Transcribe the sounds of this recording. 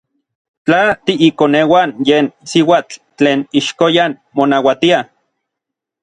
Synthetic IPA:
t͡ɬat̪iʔikonewanjeːnsiwaːt͡ɬ | t͡ɬːeːniʃkojan | monawat̪ia

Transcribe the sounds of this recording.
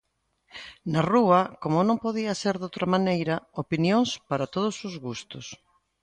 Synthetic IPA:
naruɐkomʊnõŋpoð̞iɐseɾðowt̪ɾɐmanejɾɐopinjoŋspaɾat̪oð̞ʊsʊzɣust̪ʊs

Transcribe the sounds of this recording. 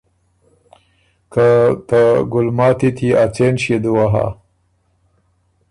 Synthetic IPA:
kat̪aɡʊlmɑːt̪it̪ʰiat͡senɕid̪uwaɦa̰

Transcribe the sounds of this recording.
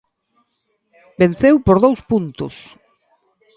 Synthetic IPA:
ben̟θewpoɾðowspunt̪ʊ̰s

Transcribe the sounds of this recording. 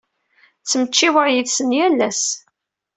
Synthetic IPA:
t͡sːmət͡ʃːiwəɾjiðsənjælːæs

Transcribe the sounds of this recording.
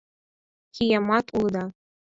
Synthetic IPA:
xʲijɑmɑt̪uld̪ɑ

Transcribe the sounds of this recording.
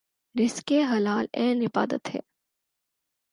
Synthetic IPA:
ɾɪskeɦɐlaːlɛ̃ːnɪba̰ːd̪ə̰t̪ɦɛ̰ː

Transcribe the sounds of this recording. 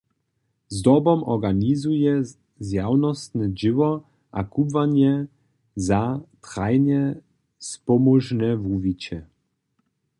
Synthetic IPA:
zd̪ɔbɔmɔɾɡaɲizujɛ | zjawnɔst̪nɛd͡ʑɪvɔ | ʔa̰kubvaɲɛ | zat̪χajɲɛ | spɔmɔʐnɛvuvʲit͡ɕɛ

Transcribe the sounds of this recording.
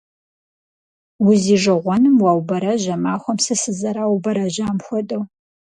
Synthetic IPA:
wʊziːʒɐʁʷɔnɨmwɑːwbɐɾɐʑɐmaːxʷɔmsɨsɨzɐɾaːwbɐɾɐʑaːmxʷɔdʼɐw

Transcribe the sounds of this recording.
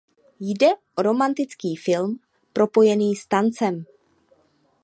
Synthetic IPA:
jdɛʔoɾo̞mant̪ɪt͡skiːfɪlm | pɾʔo̞po̞jɛniːst̪ant͡sɛm

